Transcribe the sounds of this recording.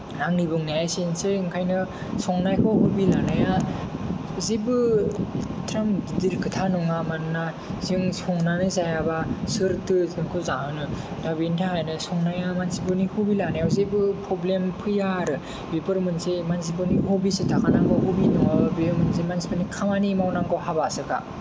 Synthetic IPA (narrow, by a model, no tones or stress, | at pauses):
aŋnibɯŋnajajsinseɯŋkʰajnɯ | sɔŋnajkʰɔɦubilanaja | zibɯ | tʰɾamdiɾkʰɯtʰanuŋamanna | ziŋsɔŋnanɯzajabasɯɾtʰɯziŋkʰɔzaɯnɯ | dabintʰahajnɯsɔŋnajamansibɯnihubilanajawzebɯpʰɾɔblempʰɯjaɾɯ | bipɯɾmɯnzemans̬ibɯnihubisitʰakʰanaŋkʰɔɦubinuŋabimɯnsemansibɯnikʰaŋanimawnaŋkʰɔɦabasɯka̰